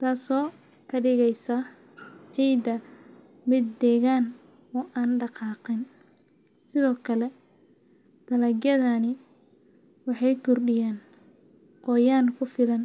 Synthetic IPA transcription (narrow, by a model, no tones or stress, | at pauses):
t̪ʰaːsɔː | kʰɐɖɪɣɛjsɐ | ʕiːd̪ɐ | mɪd̪ːɛːɣaːn | ɔːʔaːnɖɑqɑːqɪn | sɪðɔːkʰɐlɛ | d̪̥ɐlɐɡjɐðanɪ | wɑħɑjkʰʊrɖɪjaːn | qɔːjaːnkʰʊfɪlɐn